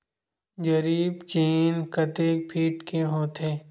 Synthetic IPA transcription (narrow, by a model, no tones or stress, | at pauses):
d͡ʒɐɾiːbt͡ʃiːnkət̪eːk̚pʰiːʈkeɦoːt̪ʰɦeː